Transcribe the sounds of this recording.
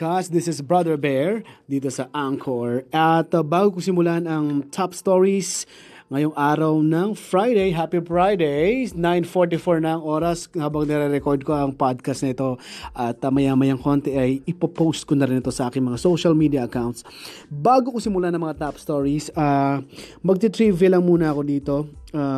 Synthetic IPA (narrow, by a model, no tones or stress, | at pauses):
kasd̪ɪsɪsbɹɐd̪ɛɹbɛɹd̪iːt̪osɐʔaŋkʰoɹɐt̪baːɡokʊsɪmʊlanɐŋt̪ʰapst̪oɹis | ŋɐjoŋʔaːɾɐwnɐŋfɹajd̪ejɦapifɹajd̪ejsnajnfoɹt̪̬ifoɹnɐɐŋʔoːɾɐshaːbɐŋnɛɾɛɾɛkoɹd̪̚koɐŋpad̪̚kɐst̪nɐɪt̪o̞ʔɐt̪ːɐmɐjaːmɐjɐŋko̞nt̪ɛʔɐjɪpɐpowst̪̚konɐɾɪnɪt̪o̞sɐʔaːkɪŋmɐŋasowʃɐlmiːd̪iɐʔɐkawnt̪s | baːɡokʊsɪmʊlanɐŋmɐŋat̪apst̪oɹisa | mɐɡ̚t̪it̪ɾiːvɛlɐŋmuːnɐɐko̞d̪iːt̪o̞aː